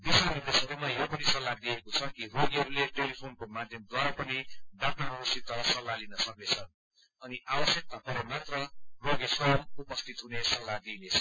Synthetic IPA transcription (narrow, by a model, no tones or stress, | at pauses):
b̪isanird̪esʌɾumajopʌnisʌlːad̪iekot͡sʰʌkiroɡiɦʌɾuleʈelipʰonkomad̪ʱjʌmd̪waɾapʌniɖaknarʌʌsit̪ʌsʌlːalinʌsʌk̚net͡sʰʌn | ʌniabʌsjʌk̚t̪apʌɾemat̪rʌroɡesʌmupʌst̪ʰit̪ɦunesʌlːad̪inet͡sʰʌ̥